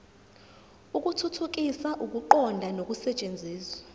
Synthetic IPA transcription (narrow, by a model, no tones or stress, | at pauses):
uk̬ʼutʰutʰuk̬ʼisaʔuk̬ʼuǃɔndʱanok̬ʼusɛt͡ʃʼend͡zʱiːswḁ